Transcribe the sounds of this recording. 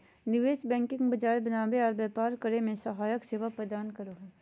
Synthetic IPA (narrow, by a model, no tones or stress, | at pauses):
nɪʋeːʃbɛ̃ːŋkɪ̃ŋɡbɐd͡ʒaːebɐnaːbeɔːɾbɛːpaːɾkəɾemẽsɐɦaːjəkseːʋapɾəd̪aːnkɐɾoːɦ